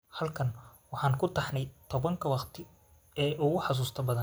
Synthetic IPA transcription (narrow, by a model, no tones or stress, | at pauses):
hɐlkʰɐnwɑħɑːŋkʰʊt̪ʰɑħnɛjt̪ʰɔβɐŋkʰɐwɑqt̪ʰɪ | ɛːʔʊɣʊħɑs̬uːst̪ʰɐbɐðɐn